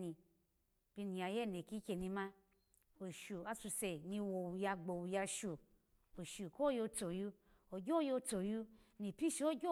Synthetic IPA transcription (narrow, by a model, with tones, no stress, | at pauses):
ni˧ | b̥i˧ni˨a˨je˦˨ne˨ki˦kʲe˧nĩ˧mã˧ | o˨ʃu˨a˦su˧se˨nĩ˧wo˨wu˨ja˧ɡ͡bo˨wu˨ja˧ʃu˨ | o˨ʃu˨ko˦jo˧t͡so˨ju˦ | o˨ɡʲo˦jo˧t͡so˨ju˦ | nĩ˨pi˦ʃi˦o˦ɡʲo˦